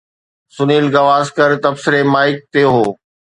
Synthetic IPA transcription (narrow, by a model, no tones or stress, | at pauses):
sʊniːlɡɐʋaːzkəɾt̪ɐbsɪɾemaːɪk̚t̪eːɦoː